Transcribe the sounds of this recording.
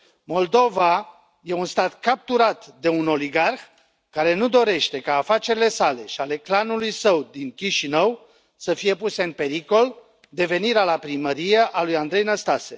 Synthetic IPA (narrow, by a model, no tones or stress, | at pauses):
mo̞ld̪o̞va | je̞unst̪at̪kap̚t̪uɾat̪d̪e̞uno̞liɡarx | kaɾe̞nud̪o̞ɾe̞ʃt̪e̞kaːfat͡ʃe̞ɾile̞sale̞ʃiale̞klanulujsəwd̪iŋkʲiʃinəw | səfije̞puse̞ɨnpe̞ɾiko̞l | d̪e̞ve̞niɾealapɾiməɾijeʔalujand̪ɾe̞jnəst̪ase̞